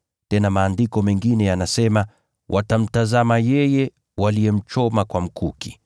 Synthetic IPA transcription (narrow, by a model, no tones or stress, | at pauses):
tɛnamaːndikɔmɛŋɡinɛjanasɛma | wʔatam̩tazamajɛjɛ | walijɛm̩t͡ʃɔmakwam̩kuki̥